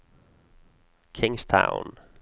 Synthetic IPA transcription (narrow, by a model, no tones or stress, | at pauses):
kʰɪŋstʰa̰ʊn